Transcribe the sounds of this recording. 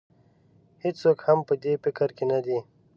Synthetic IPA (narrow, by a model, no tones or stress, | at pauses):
hɪt͡ʃsoːkhɐmpəd̪epɪkəɾkenad̪i